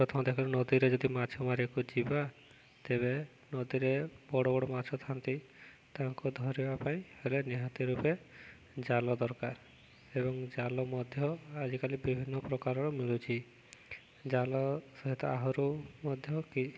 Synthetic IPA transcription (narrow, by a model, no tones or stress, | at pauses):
pɔt̪ʰɔmɔd̪ekʰɔlenɔd̪iɾed͡ʒɔd̪imat͡ʃʰɔmaɾijɔkud͡ʒiba | t̪ebe | nɔd̪iɾebɔɽɔbɔɽɔmat͡ʃʰɔt̪ʰant̪i | t̪aɦɔŋkud̪ʱɔɾibapaĩheleniɦɔt̪iɾupe | d͡ʒalɔd̪ɔɾkaɾ | ebɔŋd͡ʒalɔmɔd̪ʱjɔad͡ʒikalibibʱinːɔpɾɔkaɾɔɾɔmilut͡ʃʰi | d͡ʒalɔsɔɦit̪ɔaɦɔɾumɔd̪ʱjɔki